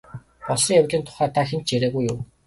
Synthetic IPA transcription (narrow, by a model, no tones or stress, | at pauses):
ɔɮɞ̆ŋjawʲt͡ɕiːnt̪ʰʊ̥χæːt̪ʰaxent͡ɕt͡ɕeɾeːɣujːʊw